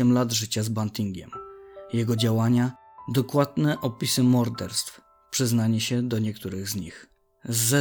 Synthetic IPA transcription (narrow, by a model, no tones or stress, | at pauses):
ɛmlad̪ʐɘt͡ɕazbant̪iŋɡʲɛ̰mjɛɡɔd͡ʑawaɲa | d̪ɔkwad̪nɛʔɔpʲisɘmɔɾd̪ɛɾst̪f | pʂɘznaɲɛɕɛd̪ɔɲɛk̚t̪uɾɘɣzɲix | zːɛ